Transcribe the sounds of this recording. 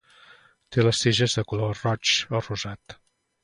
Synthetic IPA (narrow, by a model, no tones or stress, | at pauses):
t̪eləseʒəzðəkulorɔt͡ʃəruzat̪